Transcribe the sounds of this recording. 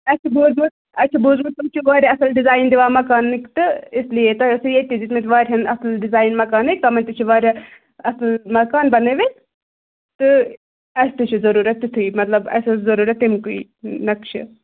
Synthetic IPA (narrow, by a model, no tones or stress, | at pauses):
ɐt͡ʃʰibuːzmu | ɐt͡ʃʰibuːzmut̪umt͡ʃʰiʋaːɾʲaɐsɐlɖizaːjnd̪iʋaːmɐkaːnːikt̪ɨɪslijet̪ɐsɨjet̪id͡ʒit̪met̪ʲʋaːɾʲɦɐnɐslɖizaːjnmɐkaːnik̚t̪ɐmɐnʲt̪it͡ʃʰiʋaːɾʲɐ | ɐslmɐkaːnbɐneːʋet̪ | t̪ɨ | ɐst̪it͡ʃʰizɐɾuːɾʲɐt̪ːit̪ʰuimɐt̪lɐbɐ̰sɐzɐɾuːɾɐt̪ːimkuḭ | nɐkt͡ʃʰḭ